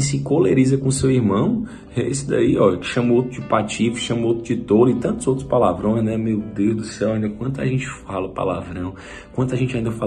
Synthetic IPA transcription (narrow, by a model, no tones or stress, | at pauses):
sɪkoleɾizɐkõʊsewiɾmɐ̃w̃ | ɛḛsʊd̪a̰iɔkɪ̥ʃɐ̃mowt̪ɾʊd͡ʒɪpat͡ʃifi̥ʃɐ̃mowt̪ɾʊd͡ʒɪt̪olʊit̪ɐ̃nt̪ʊzowt̪ɾʊspalavɾõj̃znɛmewd̪ewzd̪ʊsɛwaĩnd̪ɐkwɐ̃nt̪ʊa̰ʒẽnt͡ʃɪ̥falɐʊpa̰la̰vɾɐ̃w̃ | kwɐ̃nt̪ʊaʒẽnt͡ʃaĩd̪ɐfal